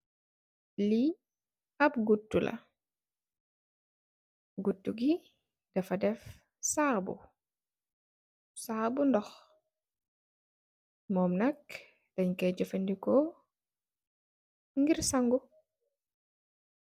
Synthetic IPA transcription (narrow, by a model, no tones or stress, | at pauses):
li | ɐp̚ɡutːulɐ̰ | ɡutːuɡi | d̥ɐfɐdɛf | saːbṵ | saːbundɔx | mɔːmnɐk | d̥ɐɲkɛɟɔfɐndikɔ | ŋɡiɾsɐŋɡu